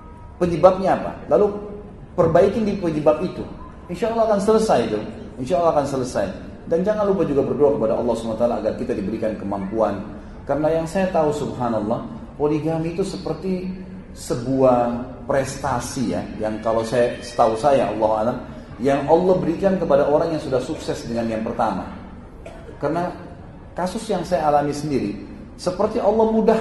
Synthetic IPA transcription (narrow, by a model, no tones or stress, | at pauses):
pəɲəbap̚ɲaːpa̰lalu | pərbaikɪndipəɲəbap̚it̪u | inʃaɑlːɑhakansələsajt̪u | inʃaʔlːɑhakansələsaj | dand͡ʒaŋanlupad͡ʒuɡabərdoakəpadaʔɑ̰lːɑhsumanat̪alaːɡarkit̪adibəɾikankəmampuan | kaɾənajaŋsajat̪ausubɦanɔlˠːɑh | poliɡamiːt̪usəpərt̪i | səbuah | pɾɛst̪asija̰jaŋkalawsajasə̥t̪ausajaʔɑ̰lˠːɑɦalam | jaŋɑlːɑhbəɾikankəpadaʔoɾaŋjaŋsudahsuksɛsdəŋanjaŋpərt̪ama̰ | kaɾəna | kasʊsjaŋsajaːlamisəndiɾi | səpərt̪iʔɑlːɑhmuda